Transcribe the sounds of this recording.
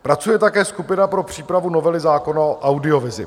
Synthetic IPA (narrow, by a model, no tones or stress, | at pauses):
pɾat͡sujɛt̪akɛːskupɪnapɾo̞pr̝̥iːpɾavuno̞vɛlɪzaːko̞naoʔawdɪo̞vɪzɪ̰